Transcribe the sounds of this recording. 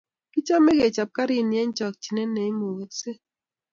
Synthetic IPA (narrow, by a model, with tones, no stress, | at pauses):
ti˦t͡ʃa˦me˦ɡe˨t͡ʃa˨p̚ka˦ɾi˦˨njɛ˦ɲ˦t͡ʃɔ˨k̚t͡ʃi˨nɛ˦nɛ˨i˦mo˨wo˨tse˦